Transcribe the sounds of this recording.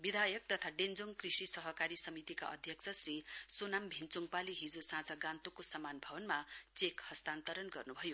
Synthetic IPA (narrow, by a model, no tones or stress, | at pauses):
bid̪ʱajʌk̚t̪ʌt̪ʰaɖend͡zoŋkrisisʌɦʌkaɾisʌmit̪ika̰ʔʌ̰d̪ʱjʌk̚t͡sʰʌsrisonambʱint͡suŋpaliɦid͡zosãt͡sʌɡãnt̪okosʌmanbʱʌbʌnmat͡sekhʌst̪ant̪ʌɾʌnɡʌrnubʱʌjo